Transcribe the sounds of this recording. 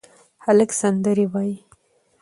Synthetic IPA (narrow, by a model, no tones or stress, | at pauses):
haləksand̪əɾiwɑji